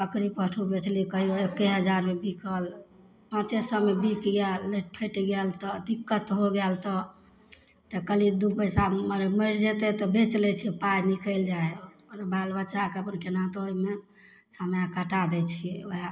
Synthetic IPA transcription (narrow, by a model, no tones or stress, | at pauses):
pəkɾipəʈʰubet͡ʃlikəɦioekːeɦəd͡ʒaɾmebikəl | pãt͡ʃesəmebikɡɛlːepʰəʈiɡɛlt̪ɔd̪ikːət̪ɦoɡɛlt̪ɔ | t̪ɔkəlid̪upəsaməɾməɾd͡ʒet̪ɛt̪ɔbet͡ʃlɛt͡ʃʰɛpajnikəld͡ʒae | əɾbalbət͡ʃakeəpnkenat̪ɔɦoime | samjakəʈad̪ɛt͡ʃʰieoɦa